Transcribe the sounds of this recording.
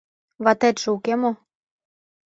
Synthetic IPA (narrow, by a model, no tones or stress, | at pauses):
βɑt̪ɛt̪ʲʒukemo